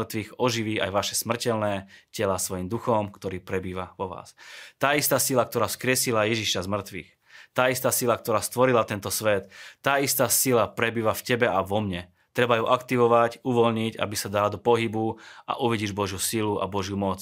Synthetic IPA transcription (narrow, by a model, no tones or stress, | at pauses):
rt̪ʋiːɣɔʒiʋiːa̰jʋaʃɛsmr̩cɛlnɛːcɛlasʋɔjimd̪uxɔmkt̪ɔɾiːpɾɛbiːʋaʋɔʋa̰ːst̪aːist̪aːsilak̚t̪ɔɾaːfskɾɪɛsilajɛʒiʃazmr̩t̪ʋḭːx | t̪ːaːist̪aːsilak̚t̪ɔɾaːst̪ʋɔɾilat̪ɛnt̪ɔsʋɛt̪ːaːist̪aːsilapɾɛbiːʋafcɛbɛaʋɔmɲɛ | t̪ɾɛbajuʔakt̪iʋɔʋacuʋɔlɲiɟa̰bisad̪alad̪ɔpɔɦibua̰ʔuʋiɟiːʒbɔʒjusiluʔa̰bɔʒjumɔt͡s